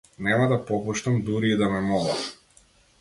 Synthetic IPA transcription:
nɛmad̪apɔpuʃt̪amd̪uɾiːd̪amɛmɔlˠa̰m

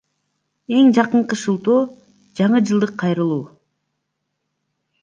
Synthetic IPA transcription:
e̞ŋd͡ʒɑqɯɴqɯʃɯlˠt̪oː | d͡ʒɑɴɯd͡ʒɯlˠd̪ɯqʰːɑjɾɯlˠuː

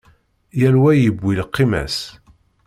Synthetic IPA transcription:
jælwæjəbːilqːimæ̰s

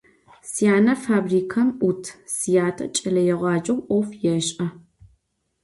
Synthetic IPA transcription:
sijaːnɐfaːbriːkʰɐmʔutʰsijaːtʰɐ̰t͡ʃʼɐlɐjɛʁʷɑːt͡ʃʼɐwʔɔfjɛɕʼɐ

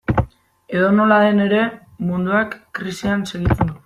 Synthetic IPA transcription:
e̞ðo̞no̞laðe̞ne̞ɾe̞ | mund̪uakːɾisianse̞ɣit͡send̪u

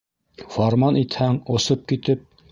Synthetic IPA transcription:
fɑɾmɑnit̪hæŋŏsɤp̚kit̪ɘp̚

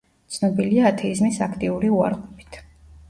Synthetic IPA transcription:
t̪sʰnɔbiliaːt̪ʰɛizmisakʰt̪ʼiuɾiua̰ɾʁʼɔpʰi̥t̪ʰ

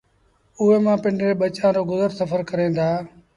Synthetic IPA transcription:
ʊɦeːmãːpɪɳɖɾeːɓət͡ʃãːɾoːɡʊzəɾsəfʰəɾkəɾẽːnd̪aː

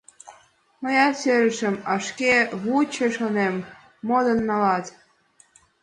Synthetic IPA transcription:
mɤ̆jɑseɾəʃə̆mɑʃkeβut͡ɕĕʃonemː | od̪ɤnːɑlɑt̪

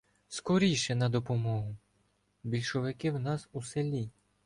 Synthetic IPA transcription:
skɔɾʲijʃɛnɐd̪ɔpɔmɔɦʊ | bʲilʲʃɔʋɪkɪwnɑsuselʲi

